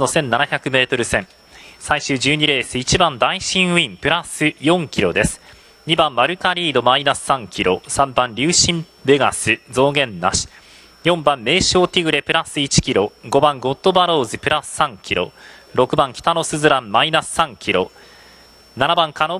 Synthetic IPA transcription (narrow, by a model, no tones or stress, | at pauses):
no̞sẽ̞nːanaçakɯ̟me̞ːt̪o̞ɾɯ̟sẽ̞m | saiɕɨːd͡ʑɨːɲ̟iɾe̞ːsɨit͡ɕibãnd̪aiɕĩɰ̃ɯĩmpɯ̟ɾasɨjõ̞ŋkʲiɾo̞d̪e̞sɨ̥ | ɲ̟ibãmːaɾɯ̟kaɾʲiːd̪o̞mainasɨ̥sãŋkʲiɾo̞̰sãmbãnɾʲɨːɕĩm | be̞ɡa̰sɨzo̞ːɡẽ̞nːa̰ɕi̥ | jõ̞mbãmːe̞ːɕo̞ːt̪ʲiɡɯ̟ɾe̞pɯ̟ɾasɨit͡ɕi̥kʲiɾo̞ɡo̞bãŋɡo̞t̪ːo̞baɾo̞ːzɨpɯ̟ɾasɨ̥sãŋkʲʰiɾo̞̰ɾo̞kɯ̟bãŋkʲi̥t̪ano̞sɨzɨɾãmmainasɨ̥sãŋkʲiɾo̞̰ | nanabãŋkano